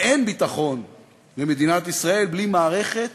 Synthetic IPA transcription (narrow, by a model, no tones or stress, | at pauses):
ʔenbit̪aχo̞n | leme̞d̪inat̪isʁae̞lblimaːʁe̞χe̞t̪